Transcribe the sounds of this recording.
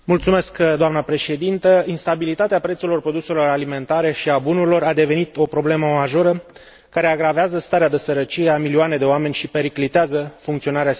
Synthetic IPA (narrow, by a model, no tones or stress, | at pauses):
mult̪sume̞skd̪oamnəpɾe̞ʃe̞d̪int̪əinst̪abilit̪at̪eapɾe̞t̪suɾlo̞rpɾo̞d̪uselo̞ɾalime̞nt̪aɾe̞ʃiabunuɾilo̞ɾad̪e̞ve̞nit̪o̞pɾo̞ble̞məmaʒo̞ɾə | kaɾeaɡɾaveazəst̪aɾead̪esəɾət͡ʃijeamilioane̞d̪e̞oame̞nʲʃipe̞ɾiklit̪eazəfuŋkt̪sio̞naɾea